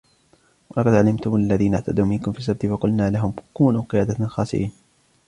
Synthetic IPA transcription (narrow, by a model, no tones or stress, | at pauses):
wɑlɑqɑd̪ʕalɪmt̪ʊmʔalːaðiːnaʕt̪ʰad̪uːmɪnkʊmfiːsːab̚t̪ɪfɑqʊlnaːlaɦʊmkuːnuːqɪjaːd̪axɑːsɪ̰ʔiːn